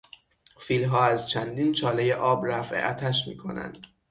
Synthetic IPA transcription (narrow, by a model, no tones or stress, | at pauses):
fiːlɦɒːæzt͡ʃʰænd̪iːnt͡ʃʰɒːlejeʔɒːbɾæfʔḛʔæt̪ʰæʃmḭːkʰo̞̰næ̰nd̪̥